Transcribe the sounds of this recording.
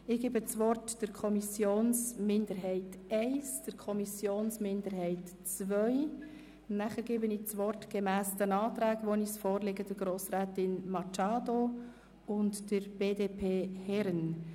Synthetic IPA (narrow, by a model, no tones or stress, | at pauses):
ɪɡ̥eːbət͡svɔrtd̥əɾkʰɔmisjoːnsmɪndəɾɦɛɪtɛɪsd̥əɾkʰɔmisjoːnsmɪndəɾhɛɪt | t͡svœʏ | næχəɾɡeːbənɪːt͡sʋɔrtɡ̥emæːsd̥ənɑːtɾæːɡʋoːniːsfoːrleɡəd̥əɾɡ̥ɾoːsɾɛːtɪnmɑt͡ʃɑːdo | ʊntd̥əɾb̥eːdeːpʰeːhɛɾən